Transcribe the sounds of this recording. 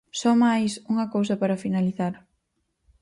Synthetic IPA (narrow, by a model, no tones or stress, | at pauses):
sɔmajsuŋɐkows̬ɐpaɾɐfinaliθaɾ